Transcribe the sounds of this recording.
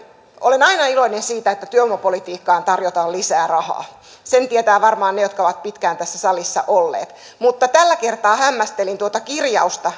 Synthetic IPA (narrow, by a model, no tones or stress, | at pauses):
ʔo̰lenɑinɑiloinensiːt̪æet̪ːæt̪yøomːɑpolit̪iːkːɑːnt̪ɑrjot̪ɑːllisæːrɑhɑ̰ː | sent̪iet̪æːʋɑrmɑːnnejot̪kɑoʋɑt̪̚pit̪kæːnt̪æsːæsɑlisːɑ̰ʔolːḛːt̪ | mut̪ːɑt̪ælːækert̪ɑːhæmːæst̪elint̪uot̪ɑkirjɑ̰ust̪ɑ